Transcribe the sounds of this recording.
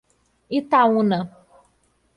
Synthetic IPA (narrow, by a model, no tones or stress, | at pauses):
it̪awũnã